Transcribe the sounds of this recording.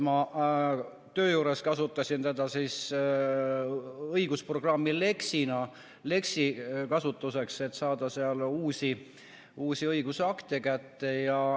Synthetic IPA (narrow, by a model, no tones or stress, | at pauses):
mɑ | t̪ø̞ːjuːɾe̞skɑsut̪ːˑɑsʲint̪e̞d̪̥ɑsiːs | ɤiɡ̥uspro̞ɡ̥rɑmːile̞ksinɑ | le̞ksikɑsut̪ːˑuse̞kse̞t̪ːˑsɑːd̪̥ɑseɑluːsʲi | uːsʲiɤjɡ̥usɑkt̪ekæt̪ːe̞jɑ